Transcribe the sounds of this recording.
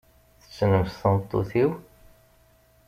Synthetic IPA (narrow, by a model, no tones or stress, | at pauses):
θə̥t͡sːnəmsθənt̪ˤːo̰θiw